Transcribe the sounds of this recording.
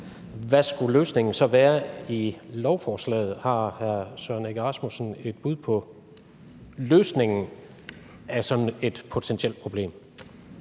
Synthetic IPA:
ʋæsɡ̥uløːsne̝ŋn̩sɒ̽ʋæːɐilɒʊfɒːslɛ̰ːð̞̩ˠhɑ̈hæɐsøneɡ̥ʁɑsmusn̩e̝d̥̚b̥uðˠpʰɒ̽ | løːsne̝ŋn̩ | æsɒ̽n̩e̝d̥pʰo̝t͡sʰent͡sʰiel̰d̥̚pʰʁo̝b̥le̝̰ːm

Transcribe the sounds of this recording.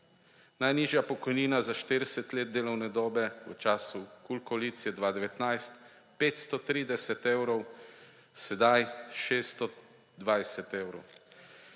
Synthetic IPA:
najniːʒjapɔkɔjniːnazaʃt̪eɾɛsɛt̪leːd̪̚d̪eːlɔwnɛd̪ɔːbɛət͡ʃaːsukulkɔliːt̪siɛd̪ʋaːd̪ɛʋɛt̪najst̪ | peːt̪st̪ɔt̪ɾiːd̪ɛsɛt̪ewɾɔw | sɛd̪ajʃeːst̪ɔ | d̪ʋajsɛt̪ewɾɔ̰w

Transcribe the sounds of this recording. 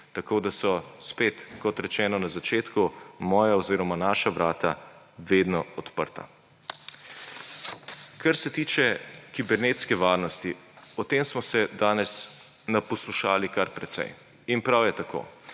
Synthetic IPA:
t̪akoːd̪asɔspeːt̪kɔt̪ɾɛt͡ʃɛːnɔnazat͡ʃeːt̪kumɔːjaɔziːɾɔmanaːʃaʋɾaːt̪a | ʋed̪nɔɔt̪pə̰ɾt̪a̰ | kaɾsɛt̪iːt͡ʃɛkibɛɾneːt̪skɛʋaːɾnɔst̪iɔt̪eːmsmɔsɛd̪aːnɛs | napɔsluʃaːlikaɾpɾɛt̪sɛ̰j | inpɾawjɛt̪ako̰ː

